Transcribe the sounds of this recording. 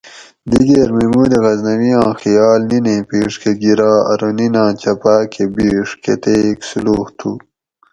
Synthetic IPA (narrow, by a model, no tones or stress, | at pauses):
d̪iɡeːɾmemuːd̪iɣɐznɐwijãːxijaːlnineːpiːʂkeɡiɾaːɐ̰ɾoninãːt͡ɕɐpaːkʰebiːʂkḛt̪eːksuluːht̪ʰu